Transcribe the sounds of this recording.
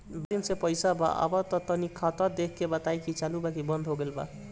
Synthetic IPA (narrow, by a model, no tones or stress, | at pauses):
bɾinsepʌjsaba̰ʔʌ̰bʌt̪ʌt̪ʌnikʰat̪ʌd̪ekʰkebʌt̪ajkʰit͡ʃalubakibʌnd̪ʱɦoɡelba̰